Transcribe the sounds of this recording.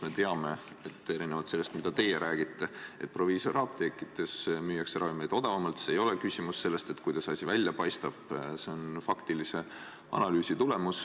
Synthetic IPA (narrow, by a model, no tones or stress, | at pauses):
me̞t̪e̞ɑme̞ | et̪ːˑe̞ɾinevɑlt̪se̞lːest̪mid̪̥ɑt̪e̞jeɾʔæːɡ̥it̪ˑːe̞e̞t̪̚pro̞viːso̞rɑːp̚t̪ekːˑit̪ːˑe̞smyːjɑkseɾʔɑvimejd̪o̞d̪̥ɑvɑmɑlt̪sejo̞lekysʲimusse̞lːe̞st̪e̞t̪kujd̪̥ɑsɑsʲivælʲjɑpɑjst̪ɑb̥se̞o̞nfɑkt̪ilise̞ | ɑ̰nɑlyːsit̪ule̞mus